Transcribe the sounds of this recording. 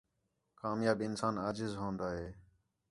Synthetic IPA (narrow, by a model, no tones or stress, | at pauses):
kaːmjaːbɪnsaːnaːd͡ʒɪzɦõːnd̪aːɦeː